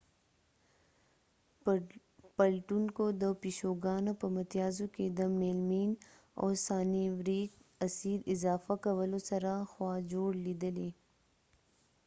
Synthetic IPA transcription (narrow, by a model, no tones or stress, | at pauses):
pɐlʈunkod̪əpiʃoːɡaːnapɐmɐt̪jaːzõked̪ɐmːelmiːn | ɔ̰ːɾsaːniwɾiːkɐsiːɾɪzaːfakɐwəlõsɐɾaxwaːd͡ʒoːɽlid̪əleː